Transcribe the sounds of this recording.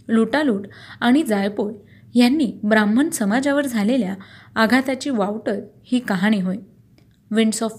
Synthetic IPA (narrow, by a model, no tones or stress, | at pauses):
luʈaluːʈaɽ̃id͡zajpol | janːiːbɾam̤ːənsəmad͡zaʋəɾd͡zʱaleljaːɡʱat̪at͡ɕiːʋawʈəɾhiːkaɦaɽ̃iːɦoj | ʋiɳɖsɔf